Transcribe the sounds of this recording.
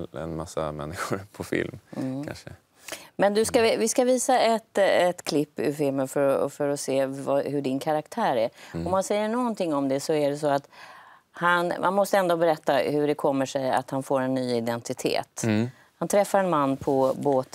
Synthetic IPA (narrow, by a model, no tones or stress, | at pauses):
ɛ̰nma̰sːa̰mɛ̰nːɪɧʊɾpʰɔfɪ̰lm̩kʰa̰nʂə̰ | mɛnd̪ɵskaɪvɪskaviːsaɛt̪ɛt̪kʰlɪpːɪfɪlmənfœɾɔfœɾɔseːvɑhɵɖɪnkʰaɾakt̪ʰæːɾæɾɔmhansɛjːəɳɔɡɔnt̪ʰɪŋːɔmd̪ɛsɔæɖɛsɔat̪ | hanma̰nmɔst̪əɛnd̪oːbɛɾɛt̪ːahɵɖɛkʰɔmːəʂɛja̰t̪hanfoːɾɛnːyːɪd̪ɛnt̪ɪt̪ʰḛːt̪ | hant̪ʰɾɛfːaɾɛnmanːpʰɔboːt̪